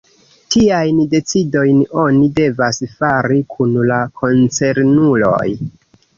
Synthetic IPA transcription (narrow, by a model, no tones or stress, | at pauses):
tʰiajnde̞t͡sido̞jno̞nide̞vasfaɾikʰunlakʰo̞nt͡se̞ɾnulo̞̰j